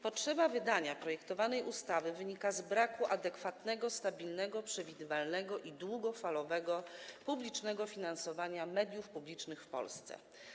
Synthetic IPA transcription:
pɔtʂɛbavɘd̪aɲapɾɔjɛkt̪ɔvanɛjʔust̪avɘvɘɲikazbɾakuʔad̪ɛkfat̪nɛɡɔst̪abʲilnɛɡɔpʂɛvʲid̪ɘvalnɛɡɔʔid̪wuɡɔfalɔvɛɡɔpublʲit͡ʂnɛɡɔfʲinansɔvaɲamɛd̪ʲjufpublʲit͡ʂnɘxfpɔ̰lst̪sɛ̰

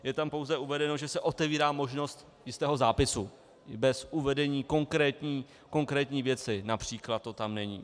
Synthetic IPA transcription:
jɛt̪ampo̞wzɛuvɛdɛno̞ʒɛsɛʔo̞t̪ɛviːɾaːmo̞ʒno̞st̪ | jɪst̪ɛːɦo̞zaːpɪsu | bɛsʔuvɛdɛɲiːko̞ŋkɾɛːt̪ɲiː | ko̞ŋkɾɛːt̪ɲiːvjɛt͡sɪnapr̝̥iːklat̪tːo̞t̪amnɛɲḭː

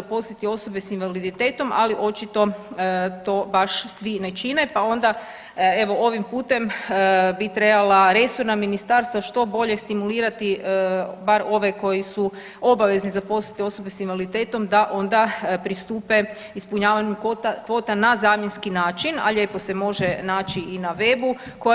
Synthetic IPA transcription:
zapo̞slit̪io̞so̞be̞sinʋalid̪it̪e̞ːt̪o̞mʔa̰liʔo̞t͡ʃit̪o̞ət̪o̞ːbaʃsʋinet͡ʃinepao̞nd̪a | e̞ʋo̞o̞ʋimpuːt̪e̞mbit̪ɾe̞balaɾe̞soɾnaminist̪aɾst̪ʋaʃt̪o̞bo̞ʎe̞st̪imuliːɾat̪iəbaɾo̞ʋe̞ko̞jisu | o̞baʋe̞znizapo̞slit̪eo̞so̞besimʋalit̪e̞ːt̪o̞md̪aʔo̞nd̪apɾist̪uːpe̞ | ispuɲaːʋaɲukːt̪akʋo̞ːt̪anazaːmje̞nskinaːt͡ʃina̰ʎepo̞se̞mo̞ʒenaːt͡ʃiinaʋe̞bu | ko

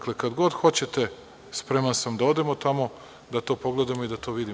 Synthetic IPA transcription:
kle̞kad̪ɡo̞d̪xo̞t͡ɕe̞t̪e̞ | spɾe̞mansamd̪ao̞d̪e̞mo̞t̪amo̞ | d̪at̪o̞ːpo̞ɡle̞d̪amoid̪at̪o̞ʋid̪i

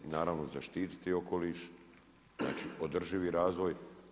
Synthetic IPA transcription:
inaːɾaʋnozaʃt̪iːt̪i̥t̪ioko̞liːʃ | zna̰ːt͡ʃiʔod̪r̩ʒiʋiɾaːzʋo̞j

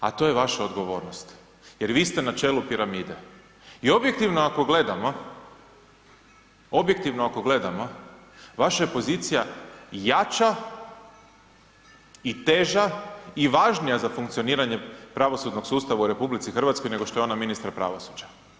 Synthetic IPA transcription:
at̪o̞jeʋaʃaod̪ɡo̞ʋo̞ːɾnost̪ | je̞ɾʋiːst̪e̞nat͡ʃe̞ːlupiɾamiːd̪e̞ | io̞bje̞kt̪iʋnoako̞ɡle̞d̪amo̞ | o̞bjek̚t̪iʋnoako̞ɡle̞d̪amo̞ | ʋaʃaje̞po̞ziːt̪sijajat͡ʃa | it̪e̞ʒaiʋaːʒnijazafuŋkt̪sio̞niːɾaɲepɾaʋo̞sud̪no̞ksuːst̪aʋauɾe̞publit̪sixr̩ʋat̪skojne̞ɡoʃt̪o̞jeo̞naminist̪ɾapɾa̰ʋo̞sud͡ʑḁ

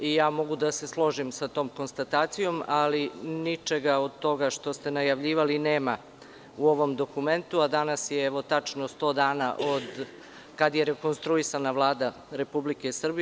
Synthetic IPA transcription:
ijaːmo̞ɡud̪ase̞slˠo̞ʒimsat̪o̞ːmko̞nst̪at̪aːt̪sijo̞malinit͡ʃe̞ɡao̞d̪̚t̪o̞ɡaʂt̪o̞st̪e̞najaʋʎiːʋalineːma | uo̞ʋo̞md̪o̞kume̞nt̪uad̪anasjeɛʋo̞t̪at͡ʂnost̪o̞ːd̪aːna̰ʔod̪ | kad̪je̞ɾe̞ko̞nst̪ɾuisanaʋlˠaːd̪a | ɾe̞publike̞sr̩bi

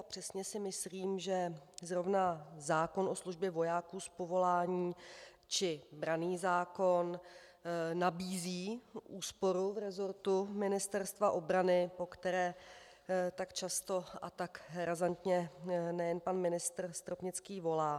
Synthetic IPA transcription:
apr̝̥ɛsɲɛsɪmɪsliːmʒɛzɾo̞vnazaːko̞nʔo̞sluʒbjɛvo̞jaːkuːspo̞vo̞laːɲiː | t͡ʃɪbɾaniːzaːko̞n | nabiːziːʔuːspo̞ɾuvɾɛzo̞ɾt̪umɪnɪst̪ɛɾst̪vaʔo̞bɾanɪpo̞kt̪ɛɾɛː | t̪akt͡ʃast̪o̞ʔa̰t̪akɾazant̪ɲɛnɛjɛnpanmɪnɪst̪r̩st̪ɾopɲɪt͡skiːvo̞laː

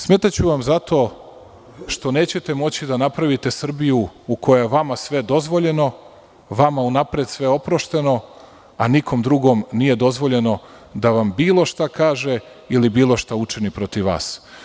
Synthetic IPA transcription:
smet̪at͡ɕuʋamzat̪o̞ː | ʃt̪o̞ne̞ːt͡ɕe̞t̪e̞mo̞t͡ɕid̪anapɾaʋit̪e̞sr̩bijuukʰo̞jaeʋamasʋe̞d̪o̞zʋo̞ʎe̞no̞ | ʋamaunapɾed̪sʋe̞o̞pɾoʃt̪e̞no̞ | anikʰo̞md̪ɾuɡo̞mnije̞d̪o̞zʋo̞ʎe̞no̞ | d̪aʋambiːlo̞ʃt̪akaːʒe | ilibiːlˠo̞ʃt̪aut͡ʃinipɾo̞t̪iʋʋa̰ːs

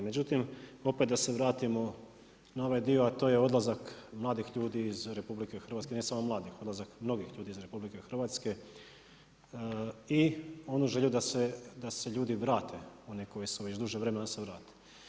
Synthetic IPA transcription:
med͡ʑut̪imo̞pet̪d̪ase̞ʋɾaːt̪imo̞ | nao̞ʋajd̪io̞at̪oje̞o̞d̪lˠazakmlˠaːd̪ixʎuːd̪iːzɾe̞publike̞xr̩ʋat̪skenesamomlaːd̪ixo̞d̪lazakmno̞ɡixʎuːd̪iizɾe̞publike̞xr̩ʋaːt̪ske̞ | io̞nuʒeʎud̪ased̪ase̞ʎuːd̪iʋɾaːt̪ʰe̞o̞niko̞jisuʋe̞t͡ɕd̪uʒeʋɾe̞me̞naseʋɾaːt̪e̥

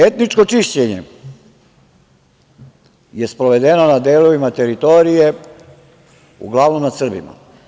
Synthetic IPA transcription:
e̞t̪nit͡ʂko̞t͡ʂiʃt͡ɕeɲḛ | je̞spɾoʋe̞d̪eno̞nad̪eːloʋimat̪e̞ɾit̪o̞ɾije̞ | ṵɡlˠaʋno̞mnasr̩bḭma̰

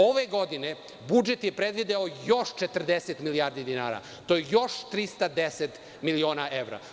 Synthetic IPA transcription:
oʋeɡo̞d̪ine | bud͡ʒet̪jepɾed̪ʋid̪eojo̞ʃt͡ʃet̪r̩d̪eset̪miliaːɾd̪id̪ina̰ːɾa̰ | t̪ojejo̞ʃt̪ɾist̪ad̪eset̪ | milio̞ːnaeʋɾa̰

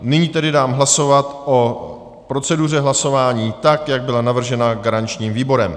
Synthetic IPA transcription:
nɪɲiːt̪ɛdɪdaːmɦlaso̞vat̪ʔo̞ | pɾo̞t͡sɛdur̝ɛɦlaso̞vaːɲiːt̪akjaɡ̚bɪlanavr̩ʒɛnaɡaɾant͡ʃɲiːmviːbo̞ɾɛm

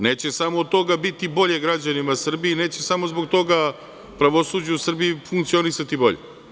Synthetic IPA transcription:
ne̞ːt͡ɕe̞samoːd̪̚t̪o̞ɡabit̪ibo̞ʎe̞ɡɾad͡ʑanimasr̩biine̞ːt͡ɕe̞samo̞zbo̞ɡ̚t̪o̞ɡa | pɾaʋo̞suːd͡ʑuusr̩biifuŋkt̪sio̞nisat̪ibo̞̰ʎḛ

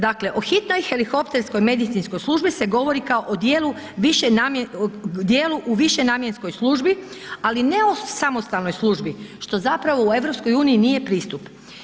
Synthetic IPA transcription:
d̪akle̞ʔo̞xit̪no̞jxe̞lixo̞pt̪e̞ɾsko̞jme̞d̪it̪sinsko̞jslˠuːʒbise̞ɡo̞ʋo̞ɾikaoʔod̪jeːlu | ʋiʃenamd̪jeːluʔuʋiʃe̞naːmje̞nsko̞jslˠuːʒbi | aline̞o̞samo̞st̪alno̞jslˠuːʒbiʃt̪o̞zapɾaʋo̞ue̞ʋɾo̞psko̞juːnijinije̞pɾiːst̪up

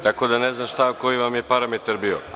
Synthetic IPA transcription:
t̪ako̞d̪ane̞znaːmʃt̪ako̞iʋamje̞paɾamet̪aɾbio̞̰

